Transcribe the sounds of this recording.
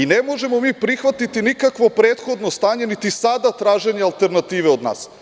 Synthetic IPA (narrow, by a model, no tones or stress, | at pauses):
inemo̞ʒe̞mo̞miːpɾixʋat̪it̪inikakʋo̞pɾet̪xo̞d̪no̞st̪aːɲe̞nit̪isad̪at̪ɾaːʒe̞ɲealˠt̪e̞ɾnat̪iːʋeo̞d̪na̰ːs